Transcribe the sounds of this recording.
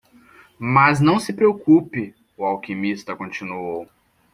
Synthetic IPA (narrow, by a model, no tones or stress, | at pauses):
maznɐ̃w̃sɪpɾeokupɪ | ʊawkimist̪ɐkõt͡ʃinuow